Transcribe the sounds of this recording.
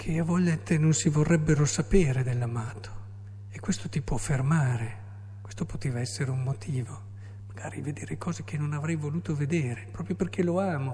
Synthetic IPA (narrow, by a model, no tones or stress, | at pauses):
kʰeavɔʎːat̪enonsivorːɛbːeɾosapeːɾed̪elːamaːt̪ʰo̥ | ekːwest̪ot̪ipwɔfermaːɾe | kwest̪opot̪eːvaɛsːeɾeummot̪ʰiːvo | maɡ̥a̰ːɾived̪eːɾekɔːzek̟ʰenːonavɾɛjvoluːt̪oved̪eːɾepɾɔːpɾjoperkʰeloaːmo